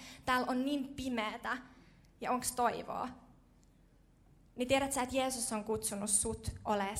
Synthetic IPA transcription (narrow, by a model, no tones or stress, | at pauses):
t̪æːlonniːmpimeːt̪æ | jɑoŋkst̪oiʋo̰ː | nit̪ieɾæt̪sæːet̪jeːsusːoŋkut̪sunusːut̪ʔole